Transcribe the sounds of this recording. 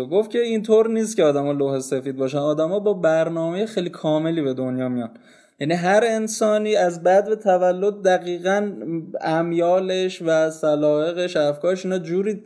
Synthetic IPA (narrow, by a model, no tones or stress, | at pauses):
ɡo̞ft̪̚cʰe̞int̪ʰoɾniːst̪cʰeɒːd̪æmɒːlohese̞fiːd̪̚bɒːʃænɒːd̪æmɒːbɒːbæɾnɒːme̞jexejlikʰɒːme̞liːbe̞d̪o̞njɒːmijɒn | jæniɦæɾe̞nsɒːniːæzbæd̪bet̪ʰævælːo̞d̪̚ːæɣiːɣænæmjɒːleʃvæsælɒːe̞ɣe̞ʃæfkʰɒːɾeʃiːnɒːd͡ʒuːɾiː